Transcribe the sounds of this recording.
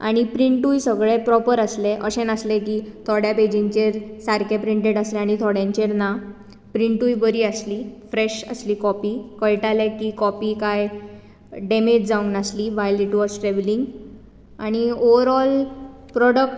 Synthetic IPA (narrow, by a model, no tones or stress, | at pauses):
a̰ɽ̃ipɾiɳʈujsəɡɭepɾɔpəɾəsleʔəɕenəslekiːt̪ʰɔɽjaped͡ʑĩɲt͡ɕeɾsaɾkʰepɾiɳʈeɽəslẽaɽ̃it̪ʰɔɽjãɲt͡ɕeɾna | pɾiɳʈujbəɾiːəsliːfɾeɕə̰sliːkɔpiːkəjʈalɛkiːkɔpiːkaj | ɖemed͡ʑd͡zaũŋɡnasliːʋajliʈʋɔzʈɾeʋliŋɡ | aɽ̃ioʋəɾɔl | pɾɔɽək̚ʈ